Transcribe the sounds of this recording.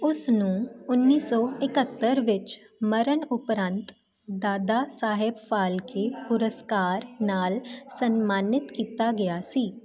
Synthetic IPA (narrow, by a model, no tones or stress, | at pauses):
ʊsnũːʊnːiːsɔːɪkət̪ːəɾʋɪt͡ʃ | məɾənʊpɾə̃nt̪ | d̪aːd̪aːsaːɦɪbpaːlkʰepʊɾəskaːɾnaːlsənmaːnɪt̪kiːt̪aːɡɪjaːsiː